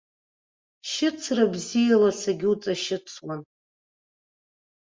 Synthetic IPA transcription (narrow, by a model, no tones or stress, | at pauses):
ʃɪt͡sʰrabzijalasaɡʲɪut͡sʼaʃɪt͡sʰwan